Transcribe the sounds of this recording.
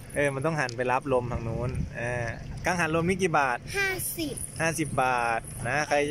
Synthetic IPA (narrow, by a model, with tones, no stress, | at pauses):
ʔɤː˧ma˧nt̪ɔ˥˩ŋɦa˨˩˦npa˧jla˦˥p̚lo˧mt̪ʰa˧˩ŋnuː˦˥˩nʔɤː˧˩kaː˧ŋɦa˨˩˦nlo˧mi˦˥˩k̬iː˨˩baː˨˩t̪̚haː˥˩si˨˩haː˥˩si˨˩p̚baː˨˩t̪̚na˦˥kʰa˧j